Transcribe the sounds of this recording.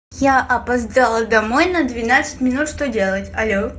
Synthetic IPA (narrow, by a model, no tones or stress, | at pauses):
jaʔɐpɐzd̪alˠəd̪ɐmojnəd̪vʲɪnat̪sɨtʲmʲɪnut̪ʂt̪odʲe̞lˠətʲɐlʲo